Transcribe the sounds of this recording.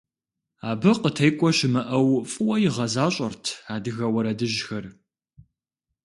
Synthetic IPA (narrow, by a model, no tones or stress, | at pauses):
aːbɨqətʰɐjkʷʼɔʃɪmɐʔɐwfʼɨwɔjɪʁɐzaːɕʼɐrtʰaːdɨɣɐwɐɾɐdɨʒxɐr